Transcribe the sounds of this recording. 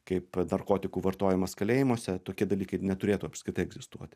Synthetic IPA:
kɐɪpnɐrkoːt̪ʲɪkuːʋɐrt̪oːjɪmɐskɐlʲeːjɪmoɔsʲɛt̪oːkʲiɛd̪ɐlʲiːkɐɪnʲɛt̪ʊɾʲeːt̪uːɐpskɾɪt̪ɐɪɛɡzʲɪst̪uɔt̪ʲ

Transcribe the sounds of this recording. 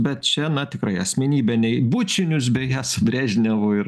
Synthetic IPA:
bʲɛt̪t͡ʃʲɛnɐt̪ʲɪkɾɐɪɐsʲmʲɛnʲiːbʲɛnʲɛɪbut͡ʃʲɪnʲʊs̬bʲɛjæːsʊbʲɾʲæːʒʲnʲɛʋoːɪɾ

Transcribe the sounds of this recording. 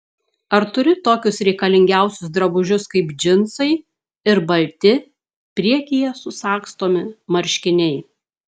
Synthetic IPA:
ɐɾt̪ʊɾʲɪt̪oːkʲʊsɾʲɛɪkɐlʲɪŋʲɡʲæˑʊsʲʊsd̪ɾɐbʊʒʲʊskɐɪpd͡ʒʲɪnsɐɪ | ɪɾbɐlʲt̪ʲɪ | pʲɾʲiɛkʲɪjɛsʊsɑːkst̪oːmʲɪmɐɾʲʃʲkʲɪnʲɛɪ

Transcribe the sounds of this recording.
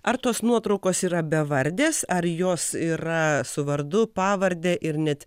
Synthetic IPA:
ɐɾt̪oːsnuɔt̪ɾɔʊkoːsiːɾɐbʲɛʋɐɾʲd̪ʲeːsɐɾjoːsiːɾɐsʊʋɐɾd̪ʊpɑːʋɐɾʲd̪ʲeːʔɪɾnʲɛt̪

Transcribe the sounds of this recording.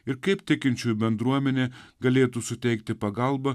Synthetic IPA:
ɪɾkɐɪpt̪ʲɪkʲɪnʲt͡ʃʲuːjbʲɛnd̪ɾuɔmʲɛnʲeːɡɐlʲeːt̪uːsʊt̪ʲɛɪk̚t̪ʲɪpɐɡɐlˠbɐ

